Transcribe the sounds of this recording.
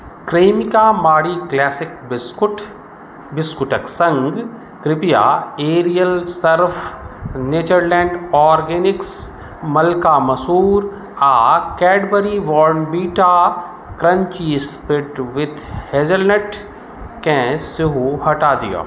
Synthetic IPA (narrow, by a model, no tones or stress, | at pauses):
kɾeːmɪkamaːɽiklɛːsɪkbskʊʈ | bɪskʊʈəksɐ̃ŋɡ | kɾɪpija̰ːeːɾijəlsɐɾfneːt͡ʃəɾlɛ̃ːɳɖɔːɾɡeːnɪks | mɐlkaːmɐsuːɾ | aːkɛːɖbəɾiʋɔːɾnbiːʈa | kɾɐ̃ɲt͡ʃiːspɪʈʋɪd̪heːd͡ʒəlnəʈ | kɛ̃ːsɪɦuhɐʈaːd̪ḭja̰ː